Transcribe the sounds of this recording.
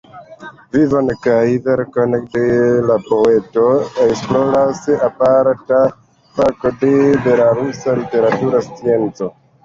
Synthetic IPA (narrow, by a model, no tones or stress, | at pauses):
vivankajveɾkonek̚delapoe̞toeksploɾasapaɾata | pakodeveɾaɾusalite̞ɾatuɾast͡sie̞nt͡so